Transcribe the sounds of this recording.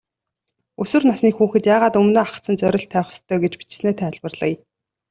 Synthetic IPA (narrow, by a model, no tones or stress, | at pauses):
ɵsɵ̆rnasniːxuːxɘ̆t̪jaːʁaːt̪ɵmnoːaχ̆t͡sə̆nt͡sœɾʲɪ̆ɬt̪ʰːæːχ̆st̪ʰːœːɡet͡ɕpi̥t͡ɕ̆sneːt̪ʰæːɮpə̆rɮə̰̆k